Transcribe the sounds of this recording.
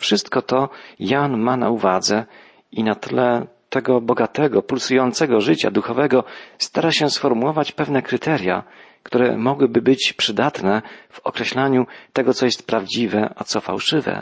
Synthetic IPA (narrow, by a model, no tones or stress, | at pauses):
fʂɘst̪kɔt̪ɔjanmana̰uvad̪zɛ | inat̪ɘlɛ | t̪ɛɡɔbɔɡat̪ɛɡɔpulsujɔnt̪sɛɡɔʐɘt͡ɕa̰d̪uxɔvɛɡɔst̪aɾaɕɛsfɔɾmuwɔvat͡ɕpɛvnɛkɾɘt̪ʰɛɾʲja̰ | kt̪uɾɛmɔɡwɘbɘbɘt͡ɕpʂɘd̪at̪nɛv̥ɔkɾɛɕlaɲut̪ɛɡɔt̪sɔjɛst̪̚pɾavd͡ʑivɛʔat̪sɔfa̰wʂɘvɛ̰